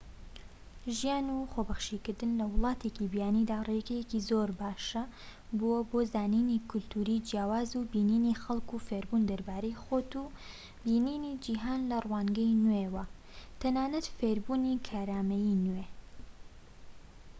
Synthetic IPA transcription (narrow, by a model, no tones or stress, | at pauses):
ʒijaːnuχobɐχʃikɨɾd̪ɨnlɐwɨlˠɑːt̪ʰecibijaːniːd̪aːrekɐjekizoɾbaːʃɐ | bowɐboːzaːninikʰʊlt̪ʰuːɾid͡ʒijaːwaːzubiːniːnixɐlˠkufeɾbuːnd̪ɐɾbaːɾejxoːt̪u | biːniːnid͡ʒiɦaːnlɐrwaːŋɡɐjnwewɐ | t̪ʰɐnaːnɐt̪feːɾbuːnikʰaːɾaːmɐjinwe